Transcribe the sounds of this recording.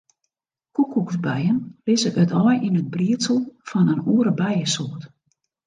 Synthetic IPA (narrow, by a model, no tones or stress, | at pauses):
kukʰːuksbɛjənlɪzəkøtʰɔjinəd̚briəsəl̩ˠfɔnənuːəɾəbɛjəsoət